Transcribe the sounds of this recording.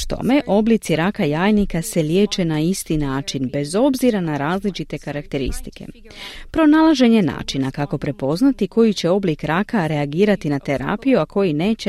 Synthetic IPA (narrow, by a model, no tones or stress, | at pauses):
t̪o̞̰me̞ʔo̞blit̪siɾakajaːjnikase̞lje̞ːt͡ʃe̞naist̪inaːt͡ʃinbe̞zo̞bziɾanaɾaːzlit͡ʃit̪e̞kaɾakt̪e̞ɾḭst̪i̥ke̞̰ | pɾo̞naːlˠaʒe̞ɲe̞na̰ːt͡ʃinakako̞pɾe̞po̞znat̪iko̞jit͡ɕe̞o̞blikɾakaɾe̞aɡiːɾat̪inat̪e̞ɾa̰ːpijuakʰo̞jine̞ːt͡ɕe